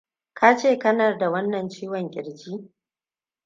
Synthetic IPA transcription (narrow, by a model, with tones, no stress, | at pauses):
kʰa˦t͡ʃeː˦˨kɐ˦na˨da˨wɐ˦nːɐ˨nt͡ʃiː˦wɔ˨ŋkʲʼɪ˨ɽd͡ʒiː˦